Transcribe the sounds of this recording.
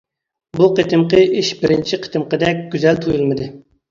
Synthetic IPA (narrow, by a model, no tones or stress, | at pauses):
buqʰet̪ʰɨmqəʔiʃbɪɾɪnt͡ʃʰiqʰə̥t̪ʰɨmqəd̪ɛkʲɡ̥ʲyzɛlt̪ʰujulˠmɨd̪ɨ